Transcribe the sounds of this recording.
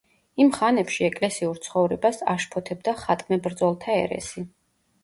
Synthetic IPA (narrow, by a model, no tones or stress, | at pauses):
imχanɛpʃiɛkʼlɛsiuɾt̪sʰχɔvɾɛbasa̰ʃpʰɔt̪ʰɛbd̪aχat̪ʼmɛbɾd̪zɔlˠt̪ʰaɛ̰ɾɛ̰si